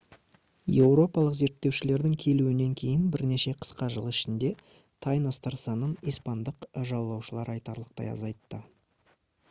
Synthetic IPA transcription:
je̞wɾo̞pɑlˠəqze̞ɾt̪ːe̞wʃɪle̞ɾd̪ɪŋkʲʰe̞luɪne̞ŋkʲʰe̞jɪnbɪɾne̞ʃe̞qʰə̥sqɑʒəlˠɪʃɪnd̪e̞ | t̪ʰɑjnɑst̪ɑɾsɑnənijspɑnd̪əqʒɑw̪lːˠɑwʃəlˠɑɾɑjt̪ɑɾlˠəq̚t̪ɑ̰jɑ̰zɑjt̪ːə

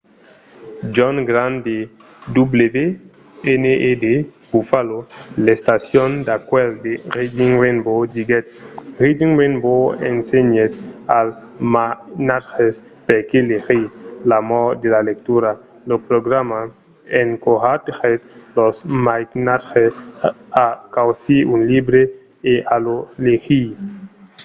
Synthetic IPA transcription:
d͡ʒɔnɡɾand̪e | d̪ublebe | eneed̪eb̥ufalolest̪asjond̪akweld̪eɾid͡ʒiŋɾenbod͡ʒiɡet̪̚ɾid͡ʒiŋɾenboḛnseɲet̪al | manatxes | peɾkelexilamɔd̪elalek̚t̪uɾa | lopɾoɡɾama | eŋkoɦat̪xet̪losmajknatxe | akawsiunlibɾe | eʔalolexi

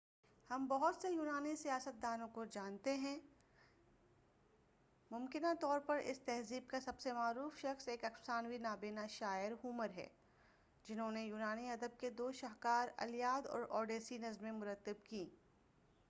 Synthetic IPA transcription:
hɐmbɐɦʊt̪sejuːnaːnisijaːsət̪̚d̪aːnõkod͡ʒaːnt̪eɦɛ̃ | mʊmkɪnat̪ɔːɾpɐɾɪ̰st̪ɛɦziːb̚kasɐbsemaːɾuːfʃɐxseːkɐksaːnwinaːbeːnaʃaːɪɾɦʊməɾɦɛ̰ː | d͡ʒɪnɦõnejuːnaːniɐd̪əb̚ked̪oːʃɐɦkaːɾɐ̰lijaːd̪ɔ̰ːɾʔɔːɖeːsinɐzmẽmʊɾət̪ːəbkiː

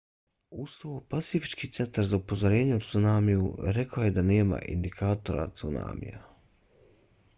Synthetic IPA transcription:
ust̪oopasifi̥t͡ʃkit̪se̞nt̪aɾzaupozoɾe̞ːɲeut̪sunaːmijṵɾe̞kaojed̪ane̞ːma̰ʔḭnd̪ikʰaːt̪o̞ɾa̰t̪suna̰ːmḭja̰

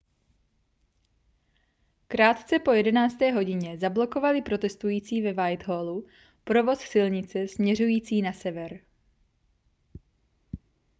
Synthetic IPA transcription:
kɾaːt̪t͡sɛpojɛdɛnaːt͡st̪ɛːɦo̞ɟɪɲɛzablo̞ko̞valɪpɾo̞t̪ɛst̪ujiːt͡siːvɛvajt̪ɦoːlu | pɾo̞vo̞ssɪlɲɪt͡sɛsmɲɛrujiːt͡siːnasɛvɛɾ

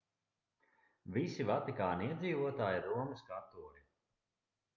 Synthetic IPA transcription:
visivat̪ikaːniiɛd̪ziːvuɔt̪aːjiɾuɔmɨskaɾt̪uɔɾi

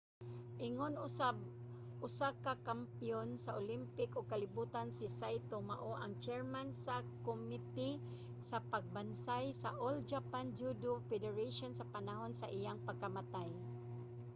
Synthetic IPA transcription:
ʔɪŋonab | ʊsakakampijonsaʔolimpɪkoɡ̚kalɪbuːt̪ansɪsajt̪omaʔoʔaŋt͡ʃɛɹmansakomit̪i | sapaɡ̚bansajsaʔold͡ʒapand͡ʒud̪ofɛd̪ɛɹaʃonsapanaɦonsaʔɪjaŋpaɡ̚kːamat̪aj

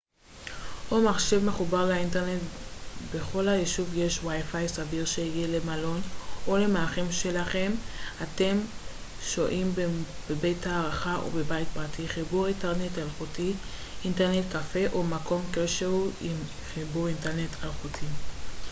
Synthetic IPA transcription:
ʔomaχʃe̞vmeχubaʁlainteʁne̞tbe̞χo̞lhajeʃuvje̞ʃwajfajsaviʁʃeiɡiele̞malo̞nole̞maːχemʃe̞laχe̞mate̞m | ʃoʔimbebe̞jtaːʁaχaʔṵbebajt̚pʁatʰiχibuʁinteʁne̞talχutiinteʁne̞tkafe̞ʔo̞mako̞mkeʃeʁuim | χibuʁinteʁne̞tʰalχutʰi

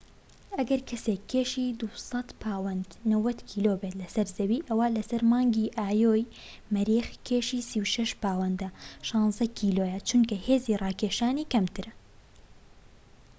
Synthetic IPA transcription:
ʔɐɡɐɾkʰɐsekʰːeːʃiːd̪usɐt̪pʰaːwɐnd̪nɐwɐt̪kʰiːloːbeːt̪lɐsɐɾzɐwiːʔɐwaːlɐsɐɾmɑːŋɡiːʔaːjoːj | mɐɾiːxkʰeːʃiːsiwʃɐʃpaːwɐnd̪ɐʃɑːnzɐkʰiːlojɐt͡ʃunkɐheːzirɑːkʰeːʃaːniːkɐmt̪ʰɨɾɐ

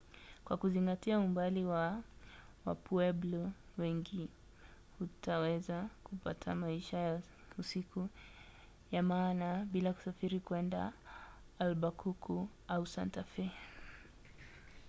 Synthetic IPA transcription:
kwa̰kuziŋɡatiaumbaliwa | wa̰pʰuɛblɔwɛŋɡi | hutʰawɛzakupa̰tʰamaiʃaj | usiku | jamaːnaɓilaku̥safiɾikwɛnda̰ː | lɓakʰukʰu | ausantafɛ

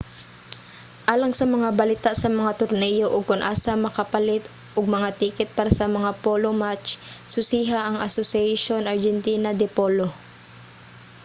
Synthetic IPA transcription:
ʔaːlɐŋsɐmɐŋabɐlɪt̪aʔsɐmɐŋat̪ʊɾnɛjo̞ʔoɡ̚kʊnʔaːsɐmɐkɐpɐlɪt̪ | ʔoɡ̚mɐŋat̪iːkɛt̪̚paːɾɐsɐmɐŋapoːlomat͡ʃsʊsiːɦaʔɐŋɐsosɪɛjʃo̞nʔɐɹd͡ʒɛnt̪iːnɐd̪ɛpolo

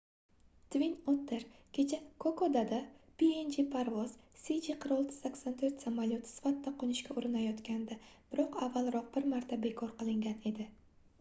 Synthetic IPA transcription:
t̪vinot̪ʰːeɾkʲʰe̞t͡ʃʰakʰokʰod̪ad̪apiend͡ʒipʰaɾvɒz̥sid͡ʒiqʰɨɾɒlˠt̪ʰɪ̥sakʲsant̪ʰɵɾt̪samalʲjot̪ʰɪ̥sɪ̥fat̪ːaqʰonɪʃkʲaʊɾɪnajɒt̪kʲand̪ab̥ɪɾɒqavːalˠɾɒq̚bɪɾmaɾt̪ʰabe̞kʰɒɾqɨlˠɪŋɡʲane̞d̪ɪ

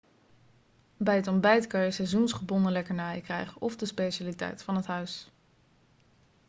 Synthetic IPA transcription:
bɛjɦətɔmbɛjtkɑnjəsɛjzunsχəbɔnəlɛkəɹnaːjəkrɛ̰jχəʔɔvdəspeʃaːlitɛ̰jtfɑnətɦœɥs

